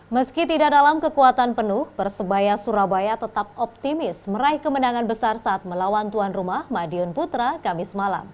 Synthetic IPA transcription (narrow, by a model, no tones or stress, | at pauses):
məskit̪idaʔdalamkəkuat̪anpənʊhbərsəbajasuɾabajat̪ət̪ap̚ɔp̚t̪imɪsməɾaɪhkəmənaŋanbəsarsaːt̪̚məlawant̪uanrumahmadiɔnput̪ɾakamɪsmala̰m